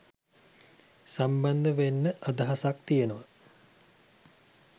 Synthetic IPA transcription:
samband̪əʋenːəʔad̪ɐɦasak̚t̪ijenoʋə

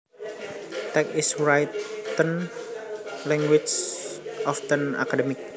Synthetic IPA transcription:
t̪ɛk̚isɹajt̪ːən | lɛŋɡwit͡ʃ | ɔft̪əna̰kadəmɪk̚

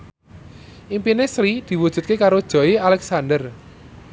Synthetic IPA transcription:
ʔimpinesɾid̪̥i̤wud̥ʒ̥ṳt̪̚kekaɾod̥ʒ̥ɔ̤ialɛksand̪ər

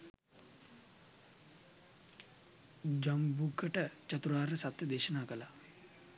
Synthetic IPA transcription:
d͡ʒambuɡʱəʈət͡ʃɐt̪ɾuaːɾəsat̪jəd̪eːʃənaːkəla

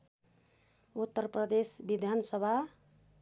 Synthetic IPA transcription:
ut̪ːəɾpɾʌd̪esbid̪ʱansʌbʱa

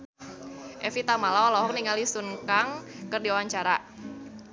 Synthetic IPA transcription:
ʔɛfit̪amalaɔlɔɦɔk̚niŋalisunkaŋkɨrdiowaɲt͡ʃaɾa

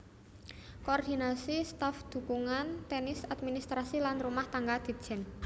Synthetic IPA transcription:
koːrd̪i̤nasist̪afd̪̥ṳkuŋant̪ɛnɪsad̪̚minist̪ɾasilanrumaht̪aŋɡad̪̥i̤̥d͡ʒ̥ɛ̤n

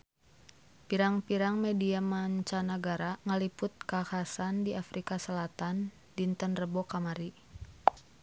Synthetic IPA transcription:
piɾaŋpiɾaŋmediamaɲt͡ʃanaɡaɾaŋəlipʊt̪̚kakasandiʔafɾʔikasəlat̪an | dint̪ənrəbɔkamaɾi

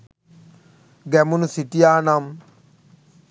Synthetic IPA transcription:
ɡɛmunsiʈijaːnam

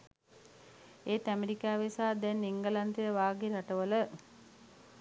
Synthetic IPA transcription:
eːt̪æmeɾikaːʋesaːd̪ɛnːiŋɡəlant̪ijəʋaːɡiɾaʈəʋələ

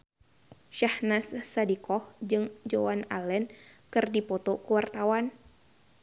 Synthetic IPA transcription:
ʃahnasːadikɔhd͡ʒɨŋd͡ʒowana̰lɛnkɨrdipɔt̪ɔkuwart̪awan

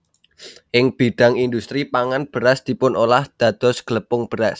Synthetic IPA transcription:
ʔɪŋb̥iɖ̥a̤ŋind̪ust̪ɾipaŋanb̥ə̤ɾasd̪̥i̤pʊnʔolahd̪̥a̤d̪̥ɔ̤sɡ̥ələpʊŋb̥əɾas

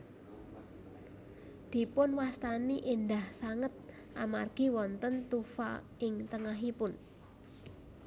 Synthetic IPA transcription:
d̪̥i̤pʊnwast̪aniʔind̪ahsaŋət̪̚ | ʔamarɡ̥i̤wɔnt̪ənt̪ufa̰ | ɪŋt̪əŋaɦipʊn

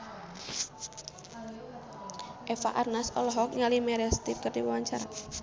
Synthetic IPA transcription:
ʔɛfaʔarnasɔlɔɦɔk̚ŋalimɛɾɛst̪irkərdiwuwaɲt͡ʃaɾa̰

